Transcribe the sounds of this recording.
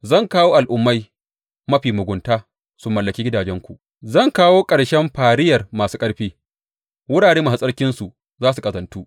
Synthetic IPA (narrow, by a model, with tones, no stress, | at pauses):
zɐ˦˨ŋkaː˦woː˦ʔa˨lʔʊ˦mːa˦j | mɐ˦ɸiː˨mʊ˨ɡʷʊ˨ntaː˦ | sʊ˨mːɐ˨lːɐ˨kʲiː˦ɡʲɪ˦daː˨d͡ʒɛ˦ŋkʷu˨ʔ | zɐ˦˨ŋkaː˦woː˦kʼɐ˨ɽʃɛ˦mɸaː˨ɽɪ˦jɐ˨rmaː˨suː˦kʼɐ˦ɽɸiː˦ | wʊ˦ɽaː˨ɽeː˦maː˨ssʼɐ˦ɽkʲɪ˦nsu˨ʔ | zaː˦s̬u˨kʼɐ˨zɐ˨ntuː˦ʔ